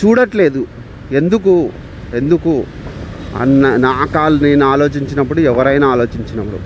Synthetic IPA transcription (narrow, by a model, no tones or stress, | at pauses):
t͡ʃuːɽɐʈle̞ːd̪u | e̞nd̪uk̬u | e̞nd̪uku | ɐ̰nɐnaːkaːlunenaːlo̞ːt͡ʃiɲt͡ʃinɐp̬ːuɽuɛʋɐɾɐjnaːlo̞ːt͡ʃiɲt͡ʃinɐpːɐɽṵ